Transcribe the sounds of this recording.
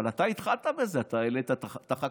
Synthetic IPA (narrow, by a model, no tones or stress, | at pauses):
alat̪ait̪χalt̪abezeat̪aelet̪at̪at̪aχa